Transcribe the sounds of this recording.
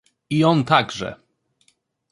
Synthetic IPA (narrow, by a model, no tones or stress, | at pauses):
iɔnt̪aɡʐɛ̰